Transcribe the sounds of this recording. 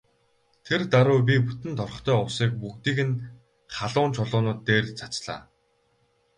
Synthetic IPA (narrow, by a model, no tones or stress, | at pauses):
t̪ʰert̪aɾʊːp̬ʲiput̪ɘ̆nt̪ʰɔrɞ̆χt̪ʰœːɔwsiːk̚pukt̪iːɣɘ̆n | χaɮʊːnt͡ɕʰɔɮʊːnʊːt̪ːeːrt͡sʰḁt͡ɕɮa̰ː